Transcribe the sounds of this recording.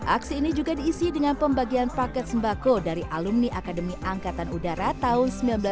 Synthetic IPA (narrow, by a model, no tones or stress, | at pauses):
ʔaksiːnid͡ʒuɡadiːsidəŋanpəmbaɡianpakɛt̪̚səmbakodaɾiʔalumniʔakadəmiʔaŋkat̪anudaɾat̪aɦʊnsəmbilanbəla